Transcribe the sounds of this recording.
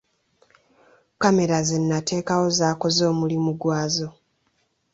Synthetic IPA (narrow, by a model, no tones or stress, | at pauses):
kame̞ɾazenːatʰe̞ːkawo̞zaːko̞zo̞ːmulimuɡwaːzo̞